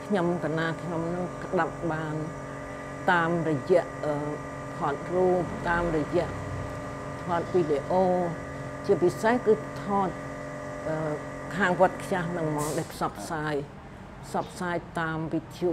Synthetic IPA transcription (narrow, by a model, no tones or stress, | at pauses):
kʰɲomkanaːkʰɲomnɨŋkəɗap̚ɓaːn | t̪aːmrɔjɛ̆əʔʔəː | pʰoət̪̚ruːp̚t̪aːmrɔjɛ̆əʔ | t̪ʰɔət̪̚ʋiːɗeʔoː | t͡ɕiəpisehkɨːt̪ʰɔːt̪̚ʔəːkʰaːŋʋoət̪̚kʰjahnɨŋmɔːŋɗaːɛlpʰsɑpʰːsaːj | pʰsɑp̚ʰːsaːjt̪aːmʋit̪ʰjuːʔ